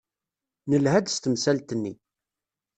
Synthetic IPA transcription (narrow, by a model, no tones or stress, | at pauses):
nəlhæd̪st̪əmsælt̪ənːi